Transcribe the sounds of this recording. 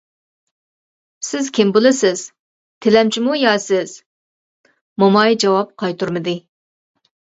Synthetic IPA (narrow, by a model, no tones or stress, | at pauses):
sɪz̥kʲʰɪmbolˠɨsɪz̥ | t̪ʰɪlɛmt͡ʃʰimujɑsɪz̥ | momɑjd͡ʒɑwɑp̚qʰɑjt̪uɾmɨd̪ɨ